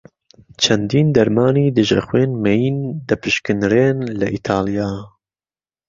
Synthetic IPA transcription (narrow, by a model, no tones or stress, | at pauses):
t͡ʃʰɐnd̪iːnd̪ɐɾmɑːniːd̪ɨʒɐ̰xweːnmɛjind̪ɐpʰɨʃkɨnɾeːnlɐʔit̪ʰaːlijaː